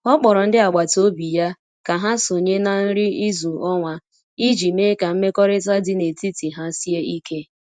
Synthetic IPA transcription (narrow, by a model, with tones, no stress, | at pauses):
ɔ˦k͡pɔ˨ɾɔ˨n̩˦dɪ˦a˨ɡ͡ba˨to˦bi˨ja˦ | ka˨ɦa˦so˨ɲe˦na˨n̩˦ɾɪ˦i˦zu˨ɔ˦ŋʷa˨ | i˦d͡ʒi˨me˦ka˨m̩˦me˦kɔ˦ɾɪ˦ta˦dɪ˦ne˨ti˦ti˨ɦa˦si˦e˦i˦ke˦